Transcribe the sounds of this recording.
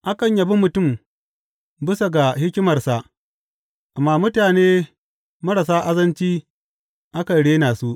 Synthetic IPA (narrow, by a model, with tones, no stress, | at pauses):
ʔa˦kɐ˨ɲjɐ˨bi˦mʊ˨tʊ˦˨m | bɪ˦sa˨ɡa˨hɪ˦kʲɪ˦mɐ˨rsa˨ʔ | ʔa˨mːaː˦mʊ˦taː˨neː˦ | mɐ˦ɽa˨saː˦ʔa˦zɐ˦nt͡ʃiː˦ | ʔa˦kɐ˨nɽeː˦naː˨su˦ʔ